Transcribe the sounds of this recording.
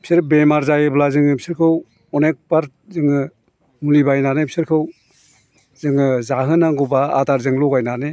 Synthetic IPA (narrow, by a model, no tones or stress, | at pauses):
bʰisiɾ̚bemaɾzajɯblazɯŋɯbisiɾkʰɯw | ɔnek̚baɾ | zɯŋɯ | mulibajnanebisiɾkʰɯw | zɯŋɯzaɦɯnaŋɡɔbaːtaɾzɯŋlɔɡajnane